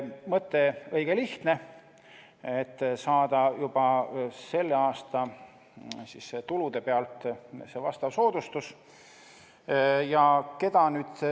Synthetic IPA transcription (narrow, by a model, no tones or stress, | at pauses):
mɤt̪ˑːe̞ɤiɡ̥eliht̪ne̞ | et̪ːsɑːd̪ɑjub̥ɑse̞lːeɑːst̪ɑ | sisːet̪ulud̪̥e̞peɑlt̪se̞vɑst̪ɑvso̞ːd̪̥ust̪us | jɑke̞d̪̥ɑnyːd̪̥